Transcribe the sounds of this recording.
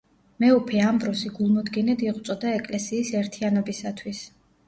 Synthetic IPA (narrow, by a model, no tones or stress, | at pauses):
mɛupʰiambɾɔsiɡulˠmɔd̪ɡinɛd̪iʁt̪sʼɔd̪aɛkʼlɛsiːsɛɾt̪ʰianɔbisat̪ʰwis